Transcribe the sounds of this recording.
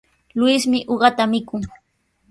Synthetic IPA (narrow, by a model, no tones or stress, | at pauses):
lʊjsmɪʔoɢɑt̪amɪkʊŋ